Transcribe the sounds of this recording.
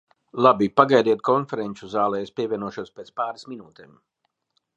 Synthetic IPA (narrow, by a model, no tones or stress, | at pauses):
lˠabipaɡajd̪iɛt̪̚kɔnfɛɾɛnt͡ʃuzaːlˠɛːspʲiɛvʲiɛnuɔʃuɔspeːt̪spaːɾasminuːt̪eːm